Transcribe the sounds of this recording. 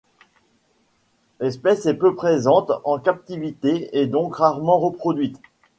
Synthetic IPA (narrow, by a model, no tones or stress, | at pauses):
lɛspɛsɛpøpχezɑ̃t̪ɑ̃kap̚t̪ivit̪eɛd̪ɔ̃kʁaʁmɑ̃ʁəpχɔd̪ɥit̪